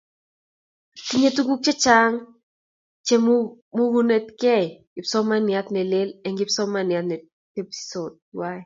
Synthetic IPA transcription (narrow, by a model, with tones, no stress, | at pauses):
ki˦ɲe˦tu˦ɡu˦k̚t͡ʃɛ˦t͡ʃa˦ŋ | t͡ʃe˦m | mu˦ɡu˦ne˦t̪kɛ˦ɡɪ˨psɔ˦ma˦nɪja˦t̪nɛ˨le˦lɛ˨ŋɡɪ˦psɔ˦ma˦nɪ˨at̪nɛ˨ | e˦pi̥so˨d̚ | wa˦ɛ